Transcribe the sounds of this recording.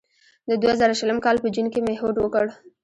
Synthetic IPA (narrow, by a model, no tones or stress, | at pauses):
d̪əd̪wazəɾaʃələmkɑlpəd͡ʒunkemeɦoɖwəkəɽ